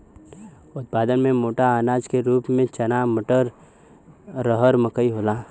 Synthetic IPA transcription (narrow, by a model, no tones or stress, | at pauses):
ʊt̪̚paːd̪ənmẽmoːʈaaːnaːd͡ʒkeɾuːpmẽt͡ʃɐnaməʈəɾ | əɦəɾməkəiɦoːlaː